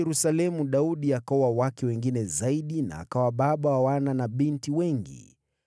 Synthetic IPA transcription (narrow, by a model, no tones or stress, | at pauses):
ɾusalɛmuɗauɗiakaɔwawakɛwɛŋɡinɛzaiɗina̰ːkawaɓaɓawawananaɓintiwɛŋɡḭ